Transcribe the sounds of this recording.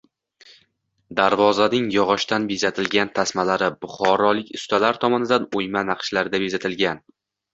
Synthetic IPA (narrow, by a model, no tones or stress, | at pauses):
d̪aɾvɒzanɪŋjɒʁɒʃt̪anbezat̪ʰɪlɡʲant̪ʰasmalaɾɪbʊχɒɾɒlˠɪkʲʊst̪alaɾt̪ʰɒmɒnɪd̪anojmanaqʃlaɾɪd̪abezat̪ʰɪlɡʲan